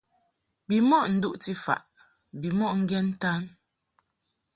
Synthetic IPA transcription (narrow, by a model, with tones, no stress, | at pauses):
bi˨mɔ˦ʔn̩˨du˦ʔti˦fa̰˨ʔ | bi˨mɔ˦ʔŋ̩˦ɡɛ˦n̩˦ta˦n